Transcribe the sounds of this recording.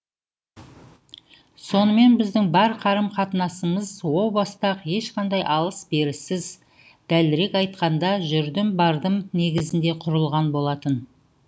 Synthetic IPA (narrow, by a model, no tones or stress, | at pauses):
so̞nəme̞nbɪzd̪ɪŋbɑɾqʰɑɾəmqʰɑt̪ənɑsəməzwo̞lˠbɑst̪ɑqje̞ʃqɑnd̪ɑjʔɑlˠəsbe̞ɾɪsɪz | d̪̥ælɪɾe̞kɑjt̪qɑnd̪ɑʒʏɾd̪ɪmbɑɾd̪əmne̞ɡʲɪzɪnd̪e̞qʰʊɾəlˠʁɑnbo̞lˠɑt̪ən